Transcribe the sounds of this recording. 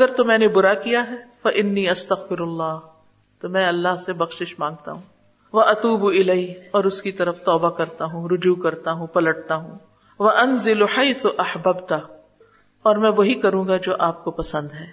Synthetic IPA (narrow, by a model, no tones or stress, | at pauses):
ɐɡəɾt̪omɛ̃ːnebʊɾakijaɦɛfɐʔɪnːiːɐst̪ɐɣfɪɾɐlːɑːɦ | t̪omɛ̃ɐlːaɦsebɐxʃɪʃmãːŋɡ̚t̪a̰ɦũː | ʋɐʔɐt̪uːbɪleiːɔːɾʊskit̪ɐɾəft̪ɔːbakɐɾt̪aɦũɾʊd͡ʒukɐɾt̪aɦũpɐlɐʈ̚t̪aɦũː | ʋɐʔɐnzɪlħajθʊʔɐħbɐbt̪ɐ | ɔːɾmɛ̃ːʋoɦikɐɾũːɡad͡ʒoːʔaːp̚kopɐsə̃nd̪ɦɛː